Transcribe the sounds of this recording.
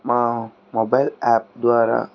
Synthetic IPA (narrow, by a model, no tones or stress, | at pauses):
ma | mobajlɛp̚d̪waɾa̰